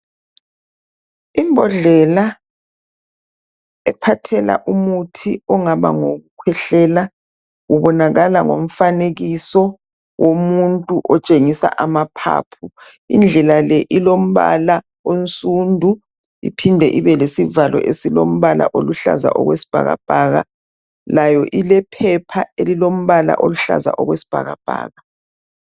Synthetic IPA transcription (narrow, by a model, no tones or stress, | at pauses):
imbʱɔɮɛla | ɛpʰatʰɛla̰ʔumutʰiɔŋaβa̰ŋoɣukʰwɛɬɛla | uβɔnaɣalaŋo̰m̩faneɣisɔ | womuntʼuʔɔt͡ʃʼeŋisa̰ʔamapʰa̰ːpʰu | ind͡ɮʱɛlalɛʔilom̩βa̰la | ont͡sʼundʱu | ḭpʰindʱɛʔiβɛlesivalɔ̰ʔesilom̩βala̰ʔoluɬa̰za̰ʔɔ̰ɣwesi̥b̥ʱa̰ɣa̰b̥ʱaɣa̰ | lajɔʔilɛpʰɛpʰaelilom̩βala̰ʔoluɬa̰za̰ʔɔɣwesi̥b̥ʱaɣab̥ʱa̰ːɣa